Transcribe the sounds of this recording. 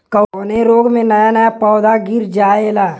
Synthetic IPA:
kəneɾoːɡmẽnɐjanɐjapɔːd̪aɡɪɾd͡ʒaːeːlaː

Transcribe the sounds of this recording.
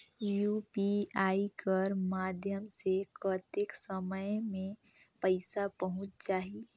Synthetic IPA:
juːpiaːikəɾmaːd̪ʱjəmsekət̪ɪksəməjmẽ | pəɪsapəɦʊ̃t͡ʃt͡ʃaːɦi

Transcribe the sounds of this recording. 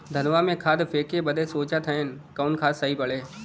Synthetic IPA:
d̪ʱɐnʋamẽkʰaːd̪feːkebɐd̪esoːt͡ʃat̪ʰəenkɐːʊnkʰaːd̪sɐɦipɐɭeː

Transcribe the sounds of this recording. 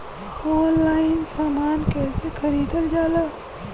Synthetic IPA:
oːnlaːɪnsaːmaːnkɛːsekʰɐɾiːd̪əld͡ʒaːlaː

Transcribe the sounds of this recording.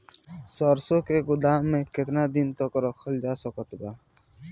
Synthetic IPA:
sɔɾsokeɡʊd̪aːmːẽkɪt̪nad̪int̪ɔkɔɾɔkʰɔld͡ʒaːsɔkɔt̪ba

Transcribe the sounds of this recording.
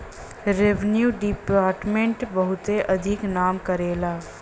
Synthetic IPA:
ɾeʋnjuːɖipaːɾʈmẽɳʈbɐɦʊt̪eʔɐd̪ʱɪknaːmkɐɾeːlaː

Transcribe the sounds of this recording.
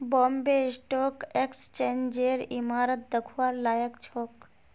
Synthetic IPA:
boːmbesʈoːkekst͡ʃeːnd͡ʒeːɾimaːɾət̪̚d̪əkʰuaːɾlaːjəkt͡ʃʰoːk

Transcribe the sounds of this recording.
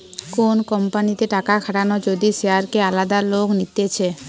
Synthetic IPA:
konkɔmpanit̪eʈakakʰaʈanod͡ʑod̪iseaɾkealad̪aloknit̪et͡ɕʰe

